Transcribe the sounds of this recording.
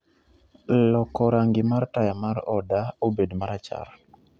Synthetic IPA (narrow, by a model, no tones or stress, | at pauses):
lɔkɔɾaŋɡɪmartajamaɾɔdaobedmaɾat͡ʃa̰ɾ